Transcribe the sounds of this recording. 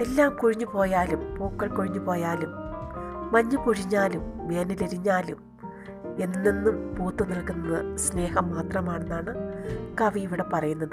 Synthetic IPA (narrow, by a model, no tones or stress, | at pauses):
e̞lːaːmkuɻiɲːupo̞ːjaːlumpuːkːɐɭkuɻiɲːupo̞ːjaːlumː | ɐɲːɨkuɻiɲːaːlumʋeːnileɾiɲːaːlum | e̞nːinːinːumpuːt̪ːɨnirɐkːunːɐðɨsne̞ːhɐmːaːt̪rɐmaːɳenːaːɳɨkɐʋiiʋiɽepɐrɐjunːɐðɨ